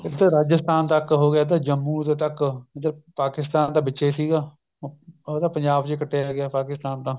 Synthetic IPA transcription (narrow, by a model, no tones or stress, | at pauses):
ɪkd̪aːɾaːd͡ʒəst̪aːnt̪əkɦoːɡɪjaːd̪aːd͡ʒəmːũːt̪eːt̪əkət̪əpaːkɪst̪aːnt̪aːbɪʃeːsiːɡaː | d̪aːpəɲd͡ʒaːbt͡ʃekəʈʰːeːaːɡɪjaːpaːkɪst̪aːnt̪ãː